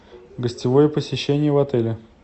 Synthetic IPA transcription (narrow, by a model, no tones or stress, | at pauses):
ɡəsʲtʲɪvojəpəsʲɪɕːenʲɪjəvɐt̪ɛlʲɪ